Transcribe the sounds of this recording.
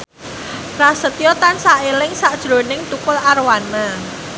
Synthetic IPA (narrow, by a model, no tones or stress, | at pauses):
ɾasət̪ijɔt̪ansaʔelɪŋsaʔd̥ʒ̥ɾo̤nɪŋt̪ukʊlarwana